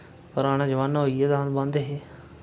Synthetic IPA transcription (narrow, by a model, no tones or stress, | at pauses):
pəɾaːɽ̃aːd͡ʒəʋaːnaɦoːiɛːt̪aɦ̪bãnd̪eɦeː